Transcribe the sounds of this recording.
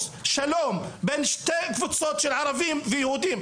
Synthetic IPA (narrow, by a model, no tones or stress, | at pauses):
ʃaloːmbeːnʃt̪eːkfɪt̪soːt̪ʃɪlʕɑɾˤɑvɪːmfijhuːd̪iːm